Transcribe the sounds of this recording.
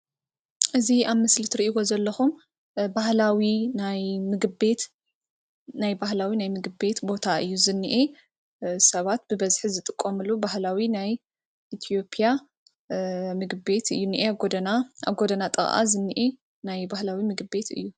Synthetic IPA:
ʔɨziaβmɨslit̪ʰɨɾiʔiwo̞zɐlːɐxum | bahlawinajmɨɡbe̞t̪ | najbahlawinajmɨɡɨbe̞t̪bo̞t̪ʰaɨjːuzɨnːiʔe | sɐβat̪bɨβɐzħizɨt̪ʼɨkʼːomɨlubahlawinaj | ʔit̪ʰio̞pʰʼja | mɨɡbe̞t̪ʰɨ̰jːuniʔeɡod̪ɐnaa̰ɡo̞d̪ɐnat̪ʼɨ̰ɣʼʔa̰zɨnːiʔe | najbahlawimɨɡɨbe̞t̪ʰɨ̰jːu

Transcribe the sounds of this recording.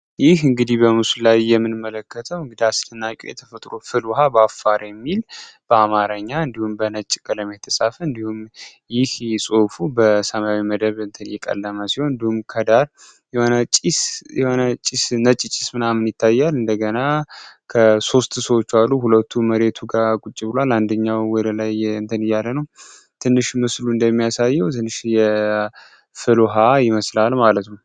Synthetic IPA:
jɪhɨŋɡɨd̪ibəmɨsulajːɛmːɨnmːələkːət̪ʰəwɨŋɡɨd̪iast̪ɨnːakʼo̰jɛt̪ʰəfət̪ʼɾo̞fɨlwɔɦabafːaɾjɛmːilb̥əamaɾəɲːaɨnd̪ihumbənət͡ʃʼːkʼələmet̪ʰəsʼafəɨnd̪ihumjɪhsʼofubəsəmawiməd̪əβɨnt̪ʰənjɛkʼə̰lːəməsihonɨnd̪ihumkʰəd̪aɾ | onət͡ʃʼishonət͡ʃʼisnət͡ʃʼːit͡ʃʼɪsmɨnamːɨnjɪt̪ʰːajːalɨnd̪əɡənakʰəso̞st̪səwot͡ʃːalːuɦulət̪ʰːuməɾe̞t̪ʰuɡakʼut͡ʃʼːibɨloaland̪əɲːawwɔd̪əlajɨnt̪ʰənɨjːalːənəw | t̪ʰɨnːɨʃmɨsluɨnd̪əmːijasajːɛwt̪ʰɨnːɨʃjɛ | fɨloɦajɪməslalmalət̪nəw

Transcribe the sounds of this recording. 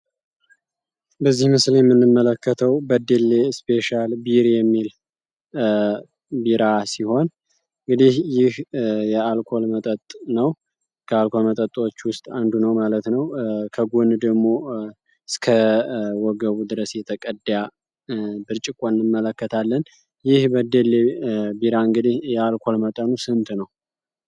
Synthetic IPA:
bəzːihmɨsljɛmːɨnːɨmːələkʰːət̪ʰəwbəd̪elːe̞spʰe̞ʃalbiɾjɛmːil | biɾasiho̞n | ɨŋɡɨd̪ihjɪhjɛalkʰo̞lmət̪ʼət̪ʼnəw | kʰəalkʰo̞lmət̪ʼət̪ʼot͡ʃːwʊst̪ʼand̪unəwmalət̪nəwkʰəɡund̪əɡmo̞ | skʰəwɔɡəβud̪ɨɾəsjɛt̪ʰəkʼəd̪ja | bɨɾt͡ʃʼɪkʼonnɨmːələkːət̪ʰalːən | jɪhbəd̪elːebiɾaɨŋɡɨd̪ihjɛalkʰo̞lmət̪ʼənusɨnt̪ʰnəw

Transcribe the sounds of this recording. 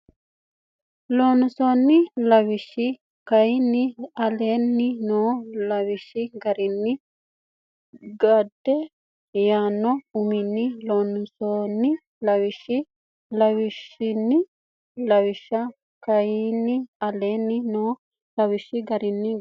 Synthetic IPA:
loːnʊsoːnːɪlɐwɪʃːɪ | kɐjnːɪɐleːnːɪnoːlɐwɪʃːɪɡɐɾɪnːɪ | ɡɐd̪ːɛ | jaːnːɔʊmɪnːɪloːnʊsoːnːɪ | lɐwɪʃːɪ | lɐwɪʃːɪnːɪ | lɐwɪʃɐ | kɐjnːɪɐleːnːɪnoː | lɐwɪʃɪɡɐɾɪnːɪ

